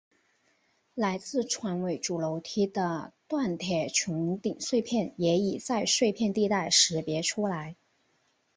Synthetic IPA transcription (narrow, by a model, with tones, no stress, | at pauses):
la˧˥ɪt͡sɹ̩˥˩ʈ͡ʂʰwa˧˥nwe˧˩ɪʈ͡ʂu˨˩lo˧˥ʊt̪ʰi˥d̪ə˧t̪wa˥˩nt̪ʰjɛ˨˩t͡ɕʰʊ˧˥ŋt̪i˨˩ŋʂwe˥˧ɪpʰjɛ˥˩njɛ˧˥i˨˩t͡sa˥˧ɪʂwe˥˧ɪpʰjɛ˥˧nt̪i˥˧t̪a˥˩ɪʂɻ̩˧˥pjɛ˧˥ʈ͡ʂʰu˥la˧˥ɪ